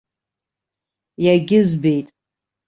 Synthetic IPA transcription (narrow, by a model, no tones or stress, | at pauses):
jaɡʲɪzbe̞jtʼ